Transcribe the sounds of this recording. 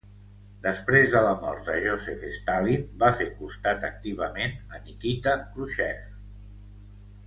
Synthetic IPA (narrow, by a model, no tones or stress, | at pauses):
d̪əspɾezðələmɔɾt̪d̪əʒosefest̪alibafeɾkust̪at̪ək̚t̪iβ̞əmenənikit̪əkɾuʃɛf